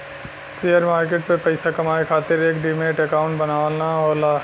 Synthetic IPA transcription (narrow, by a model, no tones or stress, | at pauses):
siəɾmaːɾkeːʈ̚pepɐɪsakɐmaːekʰaːt̪ɪɾeːkɖimeːʈɐkaːʊ̃ɳʈbɐnaːʋəlnaɦoːlaː